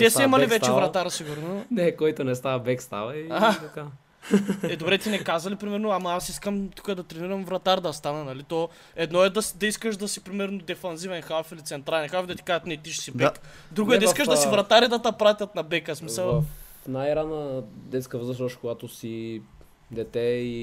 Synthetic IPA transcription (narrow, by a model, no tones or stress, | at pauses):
t̪ɛsɛɛmɐlivɛt̪t͡ʃɛvɾɐt̪aɾsiɡuɾnonɛkɔjt̪onɛst̪avɐbɛkst̪a̰vɐiɦat̪ɐka | ɛd̪obɾɛt̪inɛkazɐlipɾimɛɾnoamɐasiskəmt̪u̥kəd̪ɐt̪ɾɛniɾɐmvɾɐt̪aɾd̪ɐst̪anɐnɐlit̪ɔ | ɛd̪nɔɛd̪ɐsd̪ɐiskəʃd̪ɐsipɾimɛɾnod̪ɛfɐnzivɛnxafilit̪sɛnt̪ɾalɛnxafd̪ɐt̪i̥kaʒət̪nɛt̪iʃsidbɛk | d̪ɾuɡoɛdɐiskəʃdd̪ɐssivɾɐt̪aɾid̪ɐt̪ɐpɾat̪ʲɐt̪̚nɐbɛkəsmisɐlˠnajɾanəd̪ɛt̪skəvzəʃ̬oʃkoɡat̪osi | d̪ɛt̪ɛi